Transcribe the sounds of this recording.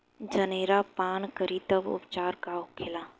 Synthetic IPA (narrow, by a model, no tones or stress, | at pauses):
d͡ʒɐneːɾapaːnkəɾit̪əbʊ̰pt͡ʃaːɾkaʊkʰɪlaː